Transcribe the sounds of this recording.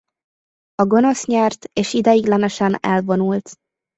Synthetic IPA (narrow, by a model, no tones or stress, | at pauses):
ɒɡo̞no̞sɲɛrt̪eːʃid̪ɛjiɡlɛnɛʃɛnɛ̰lvo̞nult̪